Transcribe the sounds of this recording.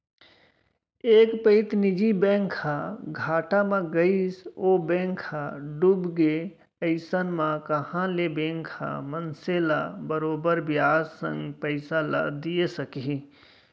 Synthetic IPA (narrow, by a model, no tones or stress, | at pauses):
eːkpəɪt̪nɪd͡ʒibɛ̃ːŋkʰaɡʱaːʈamãɡəisoːbɛ̃ːŋkʰaɖubɡe | əɪsənmãkəhãlebẽːŋkʰa̰mənselabəɾoːbəɾbjaːzsə̰̃ŋɡpəɪsala̰d̪ijesəkɦi